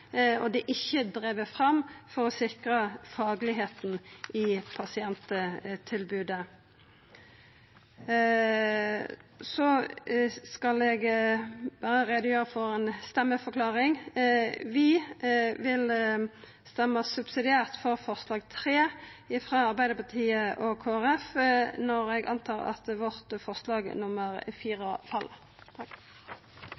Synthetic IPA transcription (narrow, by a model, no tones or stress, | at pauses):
ɔ̰d̪ɛʔɪçːəd̪ʁeːʋəfʁɑmfɔʁɔsɪkʁəfɑːɡlɪɦeːt̪n̩ʔɪpʰɑsɪɛnt̪ət̪ʰɪlbʉːd̪ə | sɔ | skɑlɛɡ | ʋæːɾəʁɛd̪əjøːʁəfɔʁɛːnst̪ɛmːəfɔkʰlɑːʁɪŋ | ʋɪ | ʋɪl | st̪ɛmːɑsʉbsɪd̪ɪæːʁt̪fɔʁfɔʁslɑːɡt̪ʰʁeːɪfʁɑːɑʁbæɪd̪əpɑʁt̪ʰiːəʔɔkʰoːæʁɛfnɔɾɛɡɑ̰nt̪ʰɑːʁɑ̰t̪ʋɔʁt̪fɔʁslɑːɡnʊməʁfiːʁəfʰɑl